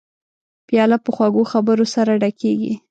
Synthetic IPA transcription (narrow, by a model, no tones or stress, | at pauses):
pjɑlapəxwaɡoxabəɾosaɾaɖakeɡḭ